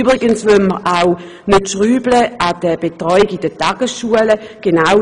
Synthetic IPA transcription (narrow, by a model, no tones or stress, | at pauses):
bʁɪɡənsʋøməʁʔaʊ | nɪtʃʁyːbləad̥əb̥etʁɔʏɪɡɪdətaːɡ̥əsʃuələɡ̥ena